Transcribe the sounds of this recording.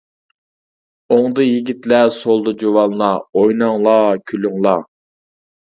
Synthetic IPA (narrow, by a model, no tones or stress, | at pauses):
oŋd̪ɨjiɡʲit̪lɛsolˠd̪ɨd͡ʒowɑlˠnɑojnɑŋlˠɑkʲʰylyŋlˠɑ